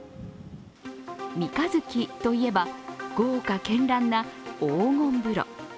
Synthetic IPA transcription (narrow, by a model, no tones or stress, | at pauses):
mʲikazɨkʲit̪o̞ie̞baɡ̥o̞ːkakẽ̞nɾãnːaoːŋõ̞mbɯ̟ɾo̰